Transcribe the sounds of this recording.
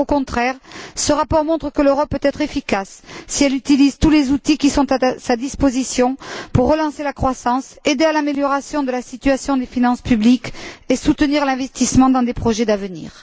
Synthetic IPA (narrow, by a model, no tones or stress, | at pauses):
okɔ̃t̪χɛʁsəʁapɔʁmɔ̃t̪χəkəløʁɔpːøt̪ɛt̪χefikasːiɛlyt̪ilizt̪ulezut̪ikʲisɔ̃t̪asad̪ispozisjɔ̃puʁːəlɑ̃selakχwasɑ̃sed̪ealameljɔʁasjɔ̃d̪əlasit̪yasjɔ̃d̪efinɑ̃spyblikesut̪əniʁlɛ̃vɛst̪ismɑ̃d̪ɑ̃d̪epχɔʒɛd̪avənḭːʁ